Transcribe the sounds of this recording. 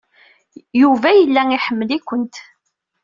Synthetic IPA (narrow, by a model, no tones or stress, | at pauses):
juvæjəlːæiħəmːəlikʷːənt̪